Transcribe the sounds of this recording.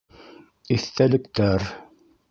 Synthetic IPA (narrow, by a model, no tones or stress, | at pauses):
iθt̪ælɘ̆kt̪æɾ